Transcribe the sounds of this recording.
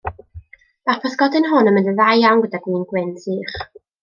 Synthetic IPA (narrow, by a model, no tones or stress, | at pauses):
apʰɔθɡ̥ɔdɪnɦʊnənməndəðajawnɡədaɡ̥wiːnɡwɪntʰiːχ